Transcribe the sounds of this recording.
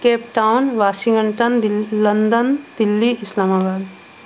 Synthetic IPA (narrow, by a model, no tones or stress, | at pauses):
keːpʈaːʊnʋaːsɪ̃ŋɡəɳʈənd̪lɐnd̪ənd̪̥ɪlːiʔɪslaːmaːbaːd̪